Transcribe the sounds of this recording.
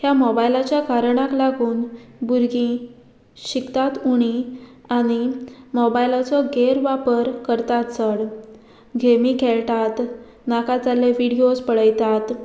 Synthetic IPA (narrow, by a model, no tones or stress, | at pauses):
hjamɔbajlat͡ɕjakaɾɳ̃aklaɡuːnbuɾɡĩ | ɕikt̪at̪uɽ̃ĩ | aɽ̃imɔbajlat͡sɔɡeɾʋapəɾkəɾt̪at̪t͡səɽ | ɡʱemikʰeɭʈ̪at̪ | nakad͡zaleʋiɽiospəɽəjt̪at̪